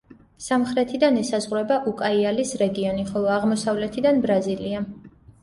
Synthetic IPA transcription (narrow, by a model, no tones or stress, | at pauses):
samχɾɛt̪ʰid̪anɛsazʁɾɛbaʔukʼaialisɾɛɡiɔniχɔlˠɔaʁmɔsavlɛt̪ʰid̪anbɾazilia